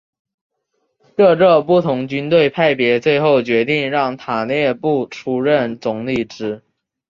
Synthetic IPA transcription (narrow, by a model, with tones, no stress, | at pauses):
kɤ˥˧ɻɤ˥˧pu˥˩t̪ʰʊ˧˥ŋt͡ɕy˥nt̪we˥˧ɪpʰa˥˩ɪpjɛ˧˥t͡swe˥˧ɪxo˥˩ʊt͡ɕɥɛ˧˥t̪i˥˧ŋɻɑ˥˩ŋt̪ʰa˨˩njɛ˥˧pu˥˩ʈ͡ʂʰu˧˥ɻə˥˩nt͡sʊ˧˥ŋli˥˩ʈ͡ʂɻ̩˥